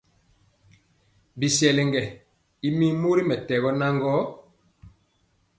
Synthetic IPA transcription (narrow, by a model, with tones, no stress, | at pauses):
bi˨sɛ˨lɛ˨ŋɡɛ˨ | i˦mi˦mu˦ɾi˦mɛ˨tɛ˨ɣɔ˦na˦ŋɡɔ˦